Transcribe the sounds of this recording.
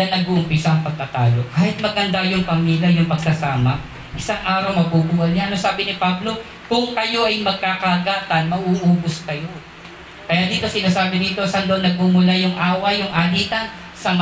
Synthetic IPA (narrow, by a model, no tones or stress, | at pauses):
anɐɡuʔʊmpɪsaɐŋpɐɡ̚kɐt̪aːlo̞kaːhɪt̪̚mɐɡʔɐnd̪ajʊŋpɐmiːljɐjʊŋpɐɡ̚sasaːmɐ | ʔɪsaŋʔaːɾɐwmɐbubuːhɐlɲaɐnosaːbɪnɪpablo̞ | kʊŋkɐjo̞ʔɐjmɐɡ̚kaːkaːɡaːt̪ɐnmɐʔuʔuːbʊskɐjo̞ | kɐjaːd̪iːt̪o̞sɪnaːsaːbɪd̪iːt̪o̞sand̪oonːɐɡ̚mumʊlajʊŋʔaːwɐjʊŋʔaːliːt̪ɐn | sɐm